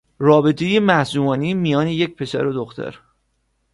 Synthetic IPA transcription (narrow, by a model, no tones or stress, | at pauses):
rɒːbe̞t̪ʰe̞je̞mæhsuːmɒːniːmijɒːnejec̚pʰe̞sæ̰ɾod̪oxt̪ʰæ̰ɾ